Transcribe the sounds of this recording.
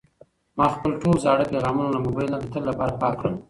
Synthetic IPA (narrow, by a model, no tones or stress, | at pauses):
mɑxpəlʈolzɑɽəpeɣɑmunolamʊbajlnad̪ət̪əlːapɑɾapɑkːɽəm